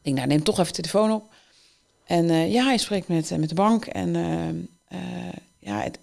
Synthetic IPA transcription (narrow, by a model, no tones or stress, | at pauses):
dɪŋdaːnɪmtɔxɛfətʰeləfoːnɔp | ʔɛnjaɛjspreːk̚tmɛtmɛt̚dəbɑŋkʰɛ̰n | ə | ja̰ə̰